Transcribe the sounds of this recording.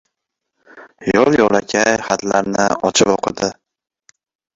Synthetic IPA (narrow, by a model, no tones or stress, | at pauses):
jɒlˠjɒlˠakʲʰajχat̪laɾnɪɒt͡ʃʰɪpɒqʰɨd̪ɪ